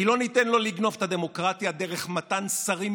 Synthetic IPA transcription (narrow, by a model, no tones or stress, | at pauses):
ilo̞nitenlo̞liɡno̞vet̪had̪e̞mo̞kʁat̪iad̪e̞ʁeχmatansaʁim